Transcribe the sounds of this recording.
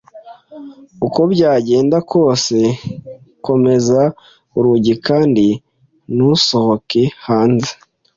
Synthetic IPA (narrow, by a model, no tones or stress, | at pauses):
uko̞bɟaːɟe̞ːndakʰo̞ːse̞ | ko̞me̞za | uɾuɟikaːndi | nuso̞hokehaːnzi̥